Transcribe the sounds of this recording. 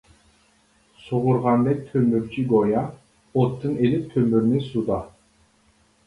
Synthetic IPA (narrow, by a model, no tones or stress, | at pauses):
soʁʊɾʁɑnd̪ɛk̚ʲt̪ʰømyɾt͡ʃʰiɡojɑ | ot̪ʰːɯnelip̚t̪ʰømyɾnɪsud̪ɑ